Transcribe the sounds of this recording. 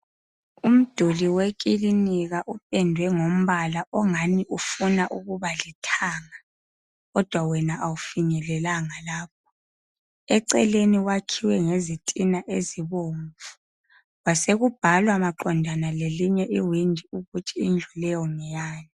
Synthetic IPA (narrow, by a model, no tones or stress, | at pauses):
um̩d̥ʱuliwekʼiliniɣaʔupʼɛndʱwɛŋom̩βalaʔɔŋaniʔufunaʔuɣuβalitʰaːŋa | ɣɔd̥ʱwawɛnaʔawufiɲɛlɛlaŋalaːp̚ʰɔ̥ | ɛǀɛleniwakʰiwɛŋezitʼinaʔeziβoɱvu̥ | waseɣub̥ʱalwamaǃɔndʱanaleliɲɛʔiwindʱiuɣut͡ʃʼiind͡ɮʱulɛjɔŋɛjaːni